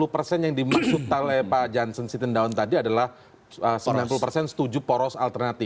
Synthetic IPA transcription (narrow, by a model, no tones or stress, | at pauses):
lupərsɛnjaŋdimaksʊk̚t̪alɛpad͡ʒansənsit̪əndaɔnt̪adiadalah | əsəbilanp̬ulupərsɛnsə̥t̪ud͡ʒupɔɾɔsalt̪ərnat̪i